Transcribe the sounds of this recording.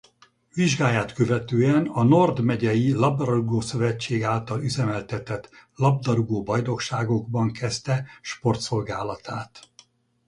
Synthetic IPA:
viʒɡaːjaːt̪kø̞vɛt̪øːɛnɒno̞rd̪mɛɟɛjilɒbd̪ɒɾuɡoːsø̞vɛt͡ʃt͡ʃːeːɡaːlt̪ɒlyzɛmɛlt̪ɛt̪ɛt̪lɒb̚d̪ɒɾuɡoːbɒjd̪o̞kʃaːɡo̞ɡbɒŋkʰɛst̪ɛʃpo̞rt̪so̞lɡaːlɒt̪ʰaːt̪

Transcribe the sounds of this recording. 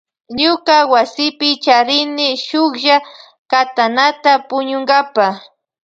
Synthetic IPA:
ɲʊkawasɪpɪt͡ʃaɾɪnɪʃʊkʒa | kat̪anat̪apʊɲʊŋɡapa

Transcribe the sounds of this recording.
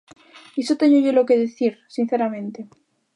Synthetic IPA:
isot̪eɲoʝolokeðeθiɾsin̟θeɾamẽnt̪e

